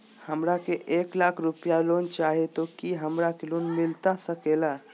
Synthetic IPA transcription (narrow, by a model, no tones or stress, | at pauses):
həmɾakeʔeːklakʰɾupjaloːnt͡ʃaːɦet̪okiɦəmɾakeloːnmɪlt̪asəkela